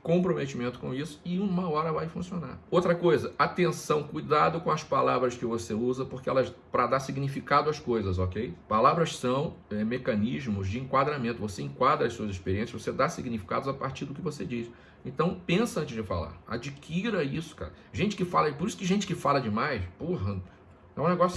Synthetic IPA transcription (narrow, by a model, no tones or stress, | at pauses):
kõpɾomet͡ʃimẽnt̪ʊ̥kõisʊ̥ɪũmɐɔɾɐvajfũsiona̰ɾowt̪ɾɐkojzɐat̪ẽsɐ̃w̃kujd̪ad̪ʊkõw̃ɐspalavɾɐskɪvoseuzɐpoχkeɛ̰lɐzpɾɐd̪asiɡnifikad̪ʊɐskojzɐz̬ɔkejpalavɾɐssɐ̃w̃ɛmekɐ̃niʒmʊzd͡ʒɪẽŋkwad̪ɾamẽnt̪ʊvoseẽŋkwad̪ɾɐsuɐziʃpeɾiẽsjɐzvosed̪asiɡnifi̥ka̰d̪ʊzapaɾt͡ʃiɾd̪ʊkɪvosed͡ʒis | ẽt̪ɐ̃w̃pẽsɐɐ̃nt͡ʃɪzd͡ʒɪfa̰la̰ɾa̰d͡ʒikʰiɾɐisʊ̥ka̰ɾɐ | ʒẽnt͡ʃɪ̥kɪfalɐpoɾisʊ̥kɪʒẽnt͡ʃɪ̥kɪfalɐd͡ʒɪmajspoɦɐ | ɛũneɛɡɔsjʊ